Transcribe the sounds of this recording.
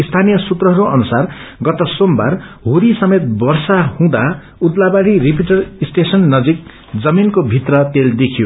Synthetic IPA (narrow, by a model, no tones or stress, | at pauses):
ist̪ʰanijʌsut̪rʌɦʌɾuʔʌnusarɡʌt̪ʌsomba̰rɦuɾisʌmet̪̚bʌrsahũd̪a | ud̪labaɽirip̬iʈʌrisʈesʌnːʌd͡zik̚ | d͡zʌminkobʱit̪rʌt̪eld̪ekʰijo